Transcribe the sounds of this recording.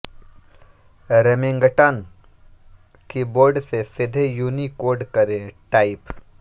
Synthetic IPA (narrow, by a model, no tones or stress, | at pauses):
ɾemẽŋɡʈan | kiboːɾɖsesɪd̪ʱejuːnikoːɾɖkɐɾẽʈaːɪp